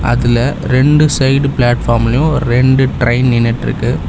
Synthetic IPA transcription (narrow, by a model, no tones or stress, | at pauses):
ɐ̰ðɪlɐ | ɾɛɳɖɯsɐɪɖplaːʈfaːɾmɐljʊ̃ɾɛɳɖɯʈɾɐɪnnɪnːɐʈːɪɾɯ̰kːɯ